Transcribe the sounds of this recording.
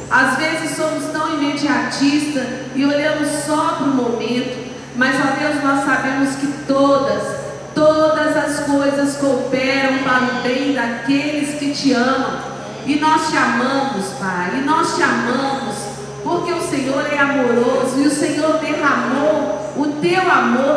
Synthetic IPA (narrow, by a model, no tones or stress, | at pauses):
azvezɪsːõmʊst̪ɐ̃w̃imed͡ʒiat͡ʃist̪ɐ | ɪoʎɐ̃mʊsːɔpɾʊmomẽnt̪ʊ | mɐzad̪ewznɔsːabẽmʊskɪt̪od̪ɐs | t̪od̪ɐzɐskojzɐskowpɛɾɐ̃w̃paɾũbẽj̃d̪akelɪskɪt͡ʃɪɐ̃mɐ̃w̃ | ɪnɔst͡ʃiamɐ̃mʊspajɪnɔst͡ʃiamɐ̃mʊs | poɾkeʊsẽɲoɾɛamoɾozʊɪʊsẽɲoɾd̪eɦamo | ʊt̪ewamoɾ